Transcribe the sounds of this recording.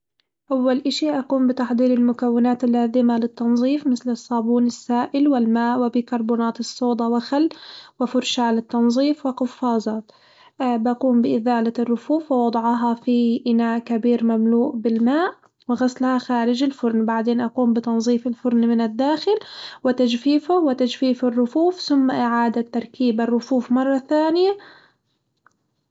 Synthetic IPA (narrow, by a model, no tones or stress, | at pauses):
ʔawːalʔɪʃiʔaquːmbɪt̪aħd̪ˤiːɾɪlmʊkawːɪnaːt̪ɪlːaːzɪmalɪt̪ːɑnzˤiːfmɪθlɪsˤːɑːbuːnɪsːaːʔɪlwɪlmaːʔwɪbɪkɑɾˤbuːnaːt̪ɨsˤːoːd̪ˤɑwɪxalːwɪfʊɾʃaːlɪt̪ːɑnzˤiːfwɪqʊfːɑːzˤɑːt̪ | bʔaquːmbɪʔɪðaːlarːʊfuːfwɪwɑd̪ˤɑʕɑɦɑfiʔɪnaːʔkabiːɾmamluːʔbɪlmaːʔ | wɪɣaslhaxaːɾɪd͡ʒɪlfʊɾˤnbaʕd̪eːnʔaquːmbɪt̪ɑnzˤiːfɪlfʊɾnmɪnɪd̪ːaːxɪlwɪt̪ad͡ʒfiːfʊwɪt̪ad͡ʒfiːfɪrːʊfuːfθʊmːaʔɪʕaːd̪at̪ːɑɾˤkiːbɪrːʊfuːfmɑrˤːɑθaːnɪja